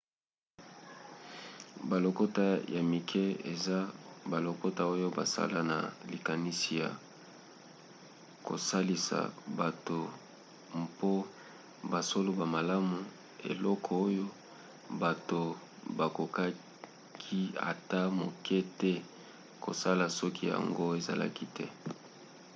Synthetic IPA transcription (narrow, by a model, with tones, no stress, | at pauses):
ba˨lo˨ko˦ta˦ja˨mi˨kʰɛ˦ḛ˨za˦ba˨lo˨ko˦ta˦o˦jo˦ba̰˨sa̰˦la˦na̰˨li˨ka˨ni˦si˨ja̰˨ | ko̰˨sa˦li˦sa̰˨ba˨to˨ | mpo˦ | ba˨so˦lo˦ba˨ma˨la˦mu˨ | ḛ˨lɔ˦kʰɔ˨o˦jo˦ | ba˨to˨ | ba˨ko˨ka˦ | kʰi˦a̰˨ta˦mo˨kʰɛ˦tɛ˦ | ko̰˨sa˦la˨sɔ˦ki˦ja˨a̰˨ŋɡo˦e˨za̰˨la̰˦ki˦tʰɛ˦